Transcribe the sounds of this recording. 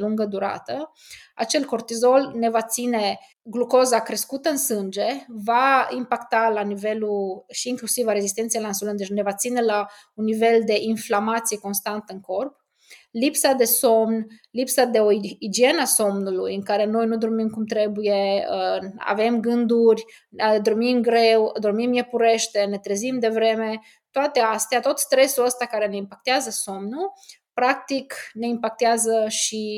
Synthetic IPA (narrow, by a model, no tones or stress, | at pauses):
luŋɡəd̪uɾa̰t̪ə | a̰t͡ʃelko̞rt̪izo̞lnevat̪sine̞ | ɡlukozakɾe̞skut̪əɨnsɨnd͡ʒe̞vaimpakt̪alaniveluʃiːŋklusivaɾezist̪ent̪sijalansolond̪enevat̪sine̞la | unːive̞ld̪e̞ʔinflamat̪sijeko̞nst̪ant̪ɨŋko̞rp | lipsad̪e̞somnlipsad̪e̞o̞id͡ʒie̞nəaso̞mnulujɨŋkaɾe̞no̞jnud̪o̞rmimkumt̪ɾe̞buje̞əa̰ve̞mɡɨnd̪urʲ | əd̪o̞rmimɡɾe̞wd̪o̞rmimjepuɾe̞ʃt̪e̞ne̞t̪ɾezimd̪e̞vɾe̞me̞ | t̪oat̪e̞ast̪eat̪o̞t̪st̪ɾe̞suləst̪akaɾe̞ne̞impak̚t̪eazəso̞mnu | pɾak̚t̪ikne̞impak̚t̪eazəʃi